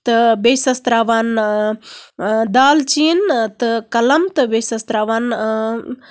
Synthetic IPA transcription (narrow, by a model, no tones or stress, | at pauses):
t̪ɨbeːsɐst̪ɾaːʋaːn | d̪aːlt͡ʃiːnt̪ɨkɐlɐmt̪ɨbeːsɐst̪ɾaːʋaːn